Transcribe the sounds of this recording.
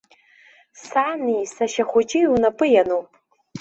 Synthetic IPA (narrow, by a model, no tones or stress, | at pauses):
sanijsaʃaχʷʊt͡ʃʼɪunapʼɨjanowpʼ